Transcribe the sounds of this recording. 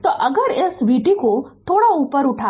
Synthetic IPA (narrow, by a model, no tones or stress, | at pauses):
t̪ɔʔəɡəɾesʋiʈikot̪ʰoːɽaupəɾʊʈʰa